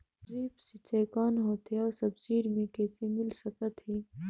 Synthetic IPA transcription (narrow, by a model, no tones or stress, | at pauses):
zeːbset͡ʃɐjkaːnɦoːt̪eɔːɾsɐbsiːɾmẽkɛːsemɪlsɐkat̪ɦeː